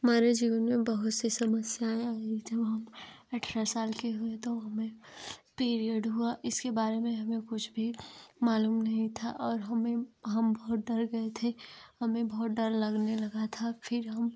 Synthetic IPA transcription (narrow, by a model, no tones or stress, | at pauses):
ɦɐmaːɾed͡ʒiːʋənmẽbɐɦʊt̪sesɐməsjaeaːed͡ʒɐbɦɐm | ɐʈʰɾasaːlkeɦuet̪oɦɐmẽpeːɾiəɖɦuaʔɪskebaːɾemẽɦɐmẽkʊt͡ʃʰbʱimaːluːmnɐɦĩt̪ʰaʔɔːɾɦɐmẽɦɐmbɐɦt̪̚ɖɐɾɡɐet̪ʰehɐmẽbɐɦʊt̪̚ɖɐɾlɐɡnelɐɡat̪ʰafʰɪɾɦɐm